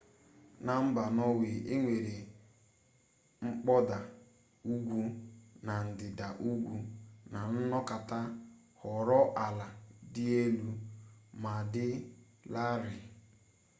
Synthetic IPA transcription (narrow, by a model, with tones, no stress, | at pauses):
na˨m̩˦ba˨nɔ˦wɪ˨ʔe˦ŋʷe˨ɾe˨ | ŋ͡m̩˦k͡pɔ˦da˨ | u˦ɡʷu˦na˨n̩˨dɪ˨da˨ʔu˦ɡʷu˦na˨n̩˦nɔ˦ka˨ta˦ | hɔ˨ɾɔ˦ʔa˨la˨dɪ˦e˦lu˦ma˨dɪ˦ | la˦ɾɪ˨